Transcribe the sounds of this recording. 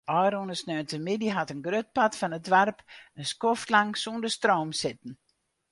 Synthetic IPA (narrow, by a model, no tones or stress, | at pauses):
ʔɔjɾonəsnœːntəmɪdiɦatənɡrøt̚patfanət̚dʋɛrpənskoftlaŋsundəstroːmsɪt̚n̩